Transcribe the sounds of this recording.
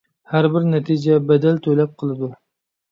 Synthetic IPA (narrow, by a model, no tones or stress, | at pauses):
hæɾbɪɾnɛt̪ʰid͡ʒɛbɛd̪ɛlt̪ʰølɛp̚qʰəlˠɨd̪u